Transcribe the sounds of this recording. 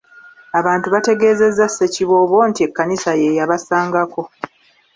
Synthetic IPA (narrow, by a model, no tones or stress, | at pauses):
aβaːntuβate̞ɡe̞ːze̞zːasːe̞ciβo̞ːβwo̞ːntie̞kːanisaje̞jaβasaːŋɡako̞